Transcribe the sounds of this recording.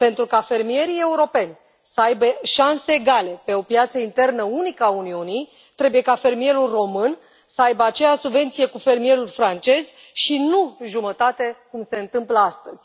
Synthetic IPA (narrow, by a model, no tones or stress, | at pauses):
pe̞nt̪ɾukafe̞rmije̞ɾije̞uɾo̞pe̞nʲ | səajbeʃanseːɡale̞pe̞o̞pjat̪səint̪e̞rnəunikəauniunij | t̪ɾe̞buje̞kafe̞rmije̞ɾulro̞mɨn | səajbəat͡ʃe̞jaʃsubve̞nt̪sije̞kufe̞rmije̞ɾulfɾant͡ʃe̞z̥ | ʃinuʒumət̪at̪e̞kumse̞ɨnt̪ɨmpləast̪əz̥ʲ